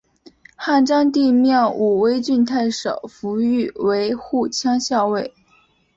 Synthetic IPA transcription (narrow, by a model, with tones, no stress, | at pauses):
xa˥˩nʈ͡ʂɑ˥ŋt̪i˥˧mjɑ˥˩ʊʔu˨˩we˥ɪt͡ɕy˥˧nt̪ʰa˥˩ɪʂɑ̰˨˩˦ʊfu˧˥y˥˩we˧˥ɪxu˥˩t͡ɕʰjɑ˥ŋɕjɑ˥˧ʊwe˥˩ɪ